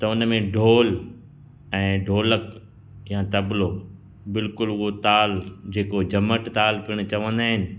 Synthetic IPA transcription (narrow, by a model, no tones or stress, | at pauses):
t̪ɐʊnmẽɖʱoːl | ɛ̃ːɖʱoːlək | jãt̪ɐbɪlo | bɪlkʊluɦot̪aːld͡ʑeːkod͡ʑɐməʈt̪aːlpiəɽ̃t͡ɕɐʋə̃nd̪aːɦɪnɪ̆